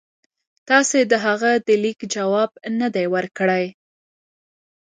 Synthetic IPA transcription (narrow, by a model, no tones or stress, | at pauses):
t̪ɑsed̪əɦaɣad̪əlikd͡ʒawɑb̚nəd̪ajwəɾkəɽaj